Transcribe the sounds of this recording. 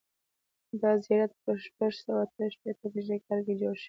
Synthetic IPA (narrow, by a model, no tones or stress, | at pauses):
d̪ɑzijɑɾat̪̚pəʃpaʒsawat̪əʃpet̪əbiʒekaɾɡed͡ʒoɾʃi̥